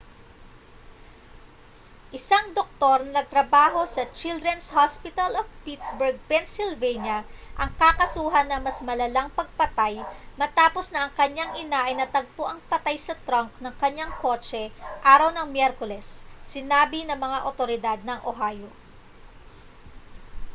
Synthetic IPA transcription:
ʔɪsaŋd̪ok̚t̪o̞ɾnɐnɐɡ̚t̪ɾɐbaːɦo̞sɐt͡ʃild̪ɾɛnshaspɪt̪ɐlovpit̪sbɛɹɡ̚pɛnsɪlvɛjnjɐʔɐŋkakɐsuːɦɐnːɐmɐsmɐlɐlaŋpɐɡ̚pɐt̪ajmɐt̪aːpo̞snɐʔɐŋkɐɲaŋʔɪnaʔɐjnɐt̪ɐɡ̚poʔɐŋpɐt̪ajsɐt̪ɾaŋknɐŋkɐɲaŋko̞ːt͡ʃɛʔaːɾɐwnɐŋmjɛɾkolɛsːɪnaːbinɐŋmɐŋaʔot̪oɾɪd̪ad̪̚nɐŋʔoɦaːjo

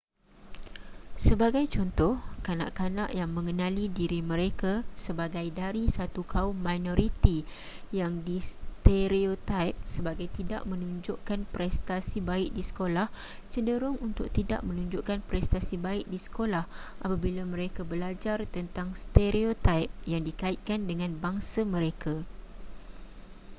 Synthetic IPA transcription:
səbaɡajt͡ʃɔnt̪ɔhkana̰ʔkana̰ʔjaŋmə̃ŋənãlidiɾimə̃ɾekasəbaɡajdaɾisat̪ukʰaʊmːajnoɾit̪i | jaŋdist̪eɾiot̪ajp̚səbaɡajt̪ida̰ʔmə̃nuɲd͡ʒʊʔkanpɾɛst̪asibaɪk̚disə̥kolah | t͡ʃədəɾʊŋunt̪ʊk̚t̪ida̰ʔmə̃nũɲd͡ʒʊʔkanpɾɛst̪asibaɪk̚disə̥kolahʔapabilamə̃ɾekabəlad͡ʒart̪ənt̪aŋst̪eɾiot̪ajp̚jaŋdikaɪt̪̚kandəŋãnbaŋsamə̃ɾekʰa

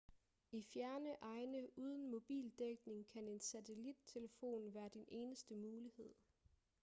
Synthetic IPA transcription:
ifjæɐnəʔɑ̈ɪnəuːð̞ˠən̩mo̝b̥ḭːld̥eɡ̥ne̝ŋkʰæne̝nsæt͡sʰe̝lid̥̚t͡sʰe̝ləfo̝̰ːnʋæːɐd̥inʔe̝ːnəsd̥əmuːlihe̝ð̞̰ˠ

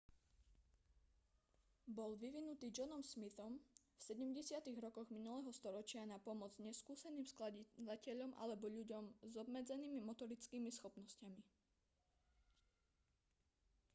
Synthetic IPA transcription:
bɔlʋiʋinut̪iːd͡ʒɔnɔmsmit̪ɔmfsɛɟɛmɟɛsɪat̪iɣɾɔkɔɣminulɛɦɔst̪ɔɾɔt͡ʃɪanapɔmɔd͡zzɲɛskuːsɛniːmsklad̪acɛʎɔmʔa̰lɛbɔʎuɟɔmzɔbmɛd͡zɛniːmimɔt̪ɔɾit͡skiːmisxɔpnɔscami

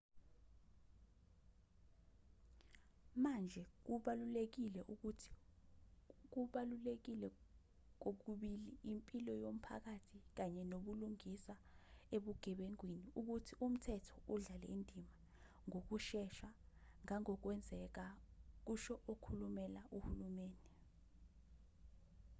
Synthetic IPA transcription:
mand͡ʒʱɛk̬uɓalulek̬ilɛʔuu̥ | k̬uɓalulek̬ilɛ | k̬ok̬uɓiliimpʼilɔjom̩pʰa̰k̬atʰik̬aɲɛnoɓuluŋisa | eɓuɡ̥ʱɛɓeŋwiniuk̬utʰiʔum̩tʰɛtʰɔ̥uɮalɛ̰indʱima | ŋok̬uʃɛʃaŋaŋɔk̬wɛnd͡zʱɛk̬ak̬uʃɔʔokʰulumɛlaʔuhulumeːndʱɛ

